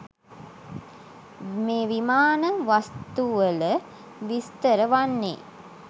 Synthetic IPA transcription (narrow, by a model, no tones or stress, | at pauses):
meːʋimaːnəʋast̪uʋələ | ʋist̪əɾəʋanːḛː